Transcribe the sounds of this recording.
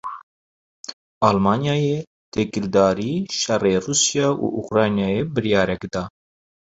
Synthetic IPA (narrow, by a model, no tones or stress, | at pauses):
ɑːlmɑːnjɑːjeː | t̪ʰekɨld̪ɑːɾiːʃɛreːruːsjɑːʔṵʔṵkɾɑːjnjɑːjeːbɨɾjɑːɾɛkd̪ɑː